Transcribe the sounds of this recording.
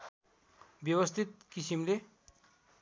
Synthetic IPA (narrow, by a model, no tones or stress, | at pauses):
bjʌwʌst̪ʰit̪̚kisimle